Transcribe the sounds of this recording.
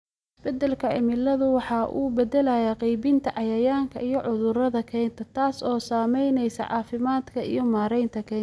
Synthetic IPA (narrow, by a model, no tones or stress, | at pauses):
ɪsbɛd̪ːɛlkʰɐʕɪmɪlɐðʊwɑħɑʔuːbɛd̪ɛlɐjaqijbɪnt̪ʰɐʕɑjɐjaːŋkʰɐijɞʕʔʊðʊɾɐðɐkʰɛːjnt̪ʰɐt̪ʰaːsɔːsaːmɛjnɛjsɐ̰ʕɑ̰ːfɪmaːd̪kʰɐʔḭjɞmaːɾɛjnt̪ʰɐkʰɛː